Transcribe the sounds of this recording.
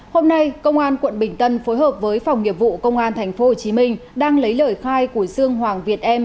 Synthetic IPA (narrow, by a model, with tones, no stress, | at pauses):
ho˧mna˧jkə˧wŋ͡mʔaː˧nkwə̰˧˨nɓï˧˩ŋ̟t̪ə˧nfo˨˦jɦəː˨˩p̚vəː˨˦jfa˨˩wŋ͡mŋi˨˩əp̚vṵ˧˨kə˧wŋ͡mʔaː˧nt̪ʰa˨˩jŋ̟fo˨˦ho˨˩t͡ɕi˨˦mï˧ŋ̟ɗaː˧ŋlə˨˦jləː˧˩jxaː˧jku˧˩əsɨ˧əŋhwaː˨˩ŋvi˨˩ət̚ʔɛ˧m